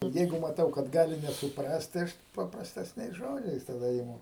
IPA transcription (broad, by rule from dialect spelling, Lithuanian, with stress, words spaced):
ˈjɛɪɡʊ mɐˈtɐʊ kɐt ˈɡɑːlʲɪ nʲɛsʊˈprɐst tɐɪ ˈɐʃ pɐprɐsʲtʲɛsʲˈnʲɛɪs ˈʒoːd͡ʒʲɛɪs tɐˈdɐ ɪˈmʊ